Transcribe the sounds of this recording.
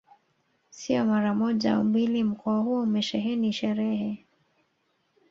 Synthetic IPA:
siɔmaɾamɔʄa̰ṵmilim̩kʰɔahuɔumɛʃɛɦɛniʃɛɾɛhɛ

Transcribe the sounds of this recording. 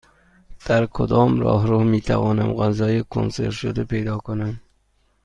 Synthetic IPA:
d̪̥aɾkʰʊd̪ɒːmɾɒ̰ːɦɾuhmit̪ʰa̰vɒːnamɣanzɑjekʰo̰nsḛɾʃʊd̪apejd̪ɒːkʊnam

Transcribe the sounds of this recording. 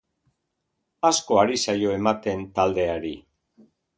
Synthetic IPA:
asko̞aɾisajo̞e̞mat̪e̞nt̪ald̪e̞aɾi

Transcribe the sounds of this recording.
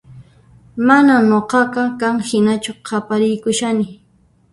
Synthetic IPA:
mananoqɑqɑkaŋhɪnat͡ʃʊqʰɑpaɾɪjkʊʃanɪ

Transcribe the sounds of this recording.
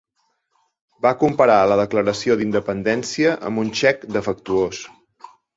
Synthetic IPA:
bakumpəɾaələðəkləɾəsioðind̪əpənd̪ɛnsiəʔə̰munʲʃɛkd̪əfək̚t̪uos

